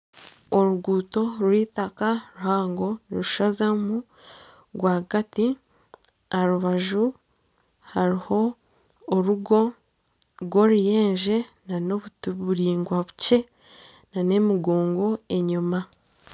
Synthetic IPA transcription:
oɾuɡuːto̞ɾwiːtakaɾuhaːŋɡo̞nɾuʃazamu | ɡwaːɡati | aɾuβaʒu | haɾiho̞ː | ɾuɡo̞ | ɡwo̞ɾije̞ːɲʒe̞nano̞βutβuɾiːŋɡwaβu̥ce̞ | nane̞miɡo̞ːŋɡo̞e̞ɲuma

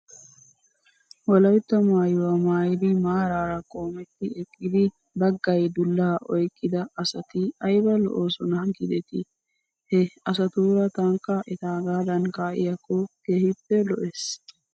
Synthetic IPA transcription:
wɔlɐjt̪ːɐmaːjwɐmaːjɪd̪ɪmaːɾaːɾɐkʼo̞ːmɛt̪ːɪɛkʼːɪd̪ɪ | bɐɡːɐjd̪ʊlːaːʔɔjkʼːɪd̪ɐɐsɐt̪ɪɐjbɐlɔ̰ʔoːsɔnɐɡɪd̪ɛt̪ɪ | hɛɐs̬ɐt̪uːɾɐt̪ɐŋkːɐʔɪt̪aːɡaːd̪ɐnkaːʔɪ̰jɐkːɔkeːhɪpːɛlɔʔes

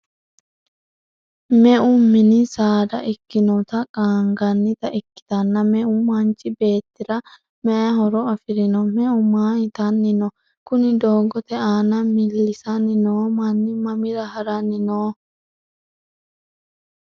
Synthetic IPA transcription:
mɛʔʊmːɪnɪsaːd̪ɐ̰ʔɪkːɪnɔt̪ɐkʼaːŋɡɐnːɪt̪ɐʔɪkːɪ̥t̪ɐnːɐmɛʔʊmɐnt͡ʃʼːɪbe̞ːt̪ːɪɾɐ | mɛʔɐɦɔɾɔɐfɪɾɪnɔmɛʊmaːɪt̪ɐnːɪnɔ | kʊnɪd̪oːɡɔt̪ɛaːnɐmɪlːɪsɐnɪnoːmɐnːɪmɐmɪɾɐɦɐɾɐnɪnoː

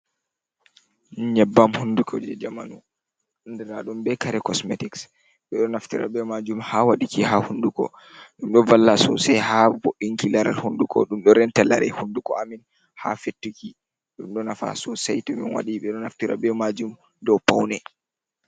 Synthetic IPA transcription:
ɲɛbːamhundukʰɔ̰d͡ʒɛd͡ʒamanu | ndɛɾaɗumbɛkaɾɛkɔsmetiks | ɓɛɗɔnaftiɾa̰ɓɛmad͡ʒumhawaɗikihahundukɔ̰ | ɗumɗɔvalːasɔ̰sɛjhaboɗːiŋkilaɾa̰lhundukʰɔ̰ɗumɗɔɾɛntɛla̰ɾɛ̰hundukɔamin | ha̰fetːuki | ɗumɗɔnafa̰sɔsajtɔminwa̰ɗiɓɛɗɔnaftiɾa̰ɓɛmad͡ʒum | dɔwpawnɛ

